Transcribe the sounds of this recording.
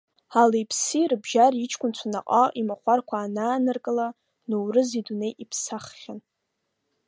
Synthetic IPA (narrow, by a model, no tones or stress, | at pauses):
alejpʰsirbʒarit͡ʃʰkʷʰʼʊnt͡ʃʷʰana̰qʼaimaχʷarkʷʰaːnaːnɨrkʼɨla | nuwrɨzidunejʔipʰsaχχʲan